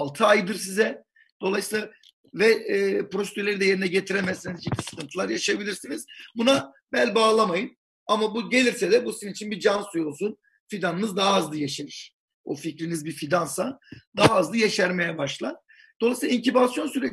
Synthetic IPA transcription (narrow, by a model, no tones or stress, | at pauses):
lˠt̪ʰɯajd̪ɯɾs̬izɛ | d̪̥o̞lˠajsiːlˠa | vɛpɾo̞sed̪yɾlʲeɾid̪ɛje̞ɾinɛɟet̪ʰiɾemɛzsinizd͡ʒit̪ʰʲisɯ̥kʰɯnt̪ʰɯlˠaɾjaʃajabilʲiɾsinizbuna | bælʲbaːlˠamajɯm | amabuɟe̞lʲiɾsɛd̪ɛbusiziit͡ʃʰinbid͡ʒansujo̞lˠsun | fid̪anɯnɯzd̪aɦaːzlˠajaʃeɾɯɾ̥ | o̰ficɾinizbifid̪ansad̪aɦaːzlˠɯjaʃæɾmejɛbaʃlˠan | d̪̥olˠajsilˠaiɲcʰibasjo̞nsyɾe